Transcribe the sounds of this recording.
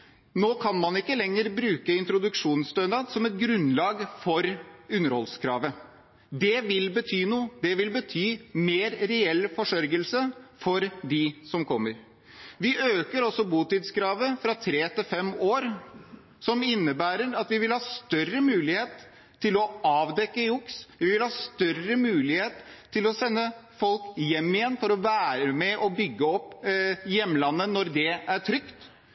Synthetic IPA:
noːkʰɑnmɑnɪkːəlɛŋːəɾbɾʉːkəɪnt̪ɾʊd̪ʉkʂuːnst̪œnd̪ɑd̪sɔmɛt̪̚ɡɾʉnlɑːɡfɔɾʉnːəɾhɔ̰lskʰɾɑ̰ːʋə | d̪ɛʋɪlbət̪ʰyːnuːəd̪ɛʋɪlbət̪ʰyːmeːɾɾɛɛlːfɔʂœɾɡəlsəfɔɾd̪ɪsɔmkʰɔmːəɾ | ʋɪʔøːkəɾɔsɔbuːt̪ɪt̪skʰɾɑːʋəfɾɑt̪ʰɾeːt̪ɪlfɛmoːɾ | sɔmɪnːəbæːɾəɾɑt̪ʋɪʋɪlhɑːst̪œrəmʉːlɪheːt̪ʰː | ɪlɔʔɑːʋd̪ɛkːəʊksʋɪʋɪlhɑːst̪œrəmʉːlɪheːt̪ʰːɪlɔsɛnːəfɔlkjɛmːɪjɛnːfɔɾɔʋæːɾəmɛʔɔbʏɡːəɔpːjɛmːlɑnːənɔɾd̪ɛæʈʰɾʏkt̪

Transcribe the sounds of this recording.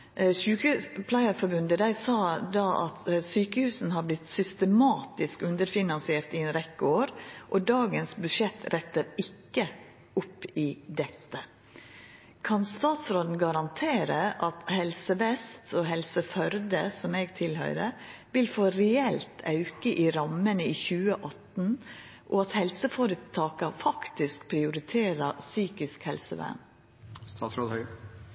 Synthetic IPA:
sʉːkʉpʰlɑɪəɾfɔɾbʉnd̪əd̪æɪsɑd̪ɑʔɑ̰t̪syːkəhʉːsn̩hɑɾblɪt̪sʏst̪əmɑːt̪ɪskʉnd̪əɾfɪnɑnsɪeːɾt̪ɪɛːnɾɛkːəoːɾʔɔd̪ɑːɡənsbʉʂɛt̪ʰːɾɛt̪ːəɾɪkːə | ʊpːɪd̪ɛt̪ːə | kʰɑnst̪ɑːt̪sɾoːd̪n̩ɡɑɾɑnt̪ʰeːɾəʔɑt̪hɛlsəʋɛst̪ʰɔɦɛlsəfœɾd̪əsɔmeːɡt̪ʰɪlhœ̰ʏɾəʋɪlfoːɾɛɛlt̪ʰɑ̰ʉkəʔiːɾɑmːənəiːçʉːəʔɑt̪n̩ | ʔɔɑt̪hɛlsəfɔɾət̪ʰɑːkɑfɑkt̪ɪskpʰɾɪʊɾɪt̪ʰeːɾɑsyːkɪskhɛlsəʋæ̰n | st̪ɑːt̪sɾoːd̪hœʏ

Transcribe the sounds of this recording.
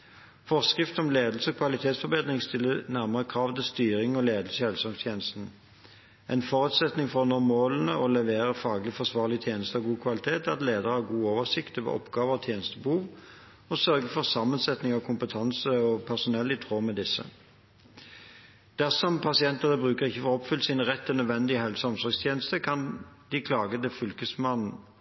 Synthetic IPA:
fɔʁskʁɪft̪ɔmleːd̪l̩səɔkʰʋɑlɪt̪ʰeːt̪sfɔʁbeːd̪ʁɪŋst̪ɪlːənæʁməʁəkʰʁɑːʋt̪ɪlst̪yːʁɪŋɔleːd̪əl̩səhɛlsɔŋst̪ʰjeːnəst̪n̩ | ʔɛɪnfɔʁʉːt̪sɛt̪nɪŋfɔʁnɔmoːlənəɔlɛʋeːʁəfɑːɡlɪfɔsʋɑːʁlɪt̪ʰjeːnəst̪əɔɡuːkʰʋɑlɪt̪ʰeːt̪ɑt̪leːd̪əʁhɑɡuːoːʋəʁsɪkt̪ʋḛːʔɔ̰pɡɑːʋəʁɔt̪ʰjeːnəst̪əbəhuːʋ | ɔsœʁɡəfɔʁsɑmːənsɛt̪nɪŋɔkʰʊmpət̪ʰɑnsəɔpʰæʁsʊnɛlːɪt̪ʰʁoːmɛd̪ɪsːə̰ | d̪̥æʁsɔmpʰɑsɪɛnt̪ənəbʁʉːkəʁɪçːəfɔʁɔpfʏlsinʁɛt̪ʰːɛlnœd̪ʋɛnd̪ɪəhɛlsɑmsɔʁɡst̪ʰjeːnəst̪əkʰɑnd̪̥ɪkʰlɑːɡəd̪ɛfʏʉlkəsmɑnn̩

